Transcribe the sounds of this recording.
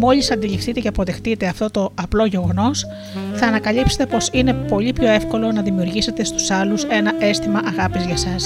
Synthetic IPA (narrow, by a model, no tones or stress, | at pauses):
mo̞ʎisɐnd̪ilifθit̪e̞ce̞ɐpo̞ðe̞xt̪it̪e̞ɐft̪o̞t̪o̞ɐplo̞ʝe̞ɣo̞no̞s | θɐːnɐkɐlipset̪e̞po̞sine̞po̞ʎipço̞e̞fko̞lo̞nɐðimiuɾʝise̞t̪e̞st̪u̥sɐluse̞nɐʔe̞st̪imɐʔɐɣɐpizʝɐsɐs